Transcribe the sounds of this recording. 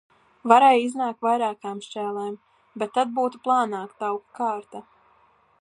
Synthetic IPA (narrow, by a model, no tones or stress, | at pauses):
vaɾɛjiznaːktvajɾaːkaːmʃt͡ʃʲæːlˠɛːm | bet̪ːad̪̚buːt̪uplˠaːnaːkt̪awkkaːɾt̪a